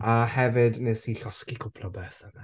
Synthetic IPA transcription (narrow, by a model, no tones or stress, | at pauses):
ahɛvɪdnesiɬɔskikʰʊpʰlɔbɛːθəna